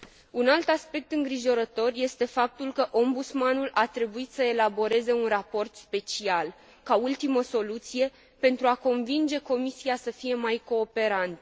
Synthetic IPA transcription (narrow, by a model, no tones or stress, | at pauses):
unalt̪aspe̞k̚t̪ɨŋɡɾiʒo̞ɾət̪o̞rje̞st̪e̞fap̚t̪ulkəʔo̞mbut̪smanulʔat̪ɾe̞buit̪səe̞labo̞ɾe̞ze̞unrapo̞rt̪spe̞t͡ʃial | kault̪iməso̞lut̪sije̞ | pe̞nt̪ɾuako̞nvind͡ʒe̞ko̞misiasəfije̞majko̞ːpe̞ɾant̪